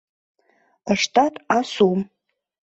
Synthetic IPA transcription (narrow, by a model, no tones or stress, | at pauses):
aʂtʰʼatʼasum